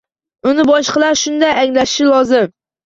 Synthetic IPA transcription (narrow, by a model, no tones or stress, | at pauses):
ʊnɪbɒʃqɨlˠaɾʃʊnd̪ajaŋlaʃɪ̥ʃɪlˠɒzɪm